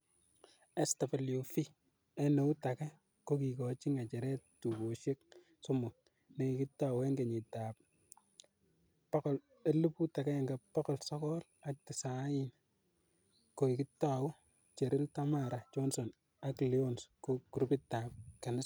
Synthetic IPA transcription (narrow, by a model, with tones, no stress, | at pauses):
ɛ˦sta˨pa˨ljofi˦ | ɛ˦no˦u˦takɛ˦ | koki˨kɔ˨t͡ʃɪ˦ŋa˨t͡ʃɛ˨ɾɛ˦ttu˨bo˨ʃe˦k̚ | sɔ˦mo˨ | ne˨ɪkɪ˦tːawɛ˦ŋɡe˨ɲi˨taː˨p̚ | pa˦kɔ˨l | e˦lu˦pu˦takɛ˦ɛ˨ŋɡa˨pakɔ˨lsɔ˦kɔla˦k̚tɪ˨sa˨˦jɪ˦n | ko˨i˨kɪ˦tːa˨wʊ˦ | t͡ʃe˨ɾɪ˦ltamaɾa˨t͡ʃonsɔ˨n | a˦klio˦nskokuɾupɪ˦ta˨p̚kɛ˨nɪ˦